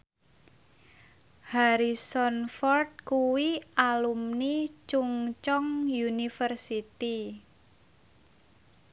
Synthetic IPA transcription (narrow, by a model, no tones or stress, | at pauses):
haɾisɔnfɔrt̪̚kuwiʔalumnit͡ʃuŋt͡ʃɔŋjunifərsit̪i